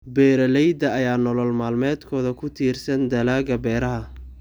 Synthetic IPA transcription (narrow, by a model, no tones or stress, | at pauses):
bɛːɾɐlɛjd̪ɐɐjaːnɔlɔlmaːlmɛːd̪kʰɔːðɐkʰʊt̪ʰiːrsɐnd̪ɐlaːɣɐbɛːɾɐɦɐ